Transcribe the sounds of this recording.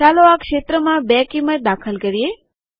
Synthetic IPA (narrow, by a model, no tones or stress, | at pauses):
aloakʃet̪ɾəmãbɛkiməʈ̪̚d̪akʰəlkəɾije